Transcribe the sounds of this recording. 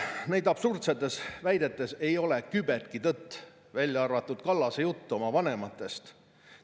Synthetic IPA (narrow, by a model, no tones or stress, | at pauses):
ne̞jd̪ɑb̥surt̪set̪ːˑe̞svæjd̪e̞t̪ːˑe̞se̞jo̞lekybet̪̚kit̪ɤt̪ːˑ | vælʲjɑɑrvɑt̪ːˑud̪̥kɑlːɑsejut̪ːuo̞mɑvɑnemɑt̪ːˑe̞st̪